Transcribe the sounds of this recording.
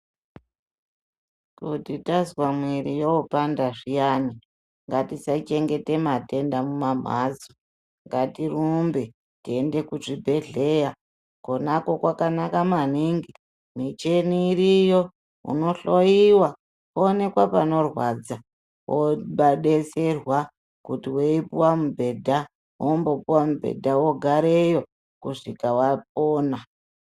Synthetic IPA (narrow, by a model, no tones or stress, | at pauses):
kutitazwamwiɾijoupandaʐijani | ŋɡatisat͡ʃe̞ŋɡe̞te̞mate̞ndamumam̤a̰zo | ŋɡatirumbe | tie̞nde̞kuʐibʱe̞ɮe̞ːja | konako̞kwakanakamaniŋɡi | mit͡ʃe̞niːɾijo̞ | ṵno̞ɬoiwa | koːne̞kwapano̞rwad͡za | wʔoɓaɗese̞rwa | kutiweipuwamubʱe̞dʱa | wʔombo̞puwamubʱe̞̰dʱawoɡʱaɾejo̞ | kuʂikawap̚oːna